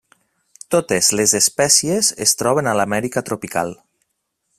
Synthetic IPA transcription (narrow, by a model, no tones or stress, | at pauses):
t̪ot̪ezlezespɛsiezḛst̪ɾɔβ̞enalamɛɾikat̪ɾopika̰lˠ